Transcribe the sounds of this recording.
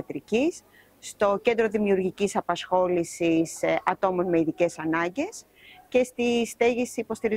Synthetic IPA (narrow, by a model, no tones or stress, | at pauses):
ɐt̪ɾicisː | t̪o̞ce̞nd̪ɾo̞ðimiuɾʝicisɐpɐsxo̞lisisɐt̪o̞mo̞nmeiðice̞sɐnɐɲɟe̞s | ce̞st̪ist̪e̞ʝisiːpo̞st̪iɾi